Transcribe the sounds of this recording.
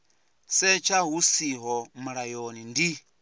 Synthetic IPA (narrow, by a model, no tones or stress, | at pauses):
sɛt͡ʃʰaɦusiɦɔmuɺajonindi